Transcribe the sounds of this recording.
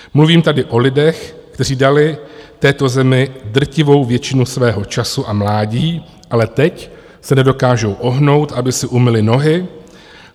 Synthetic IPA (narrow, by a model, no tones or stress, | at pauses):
mluviːmt̪adɪʔo̞lɪdɛxkt̪ɛriːdalɪt̪ɛːt̪o̞zɛmɪd̪r̩cɪvo̞wvjɛt͡ʃɪnusvɛːɦo̞t͡ʃasuʔamlaːɟiː | ʔalɛt̪ɛc | sɛnɛdo̞kaːʒo̞wʔo̞ɦno̞wt̪ʔabɪsɪʔumɪlɪno̞ɦɪ